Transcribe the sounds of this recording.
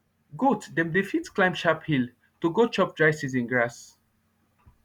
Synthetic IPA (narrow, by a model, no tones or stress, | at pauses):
ɡotdɛ̃mdifitklãɪ̃mʃaphil | tuɡot͡ʃɔp̚dɹaɪsisĩnɡɹas